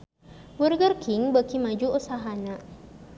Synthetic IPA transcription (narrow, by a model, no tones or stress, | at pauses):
burɡərkɪŋbakimad͡ʒuusaɦana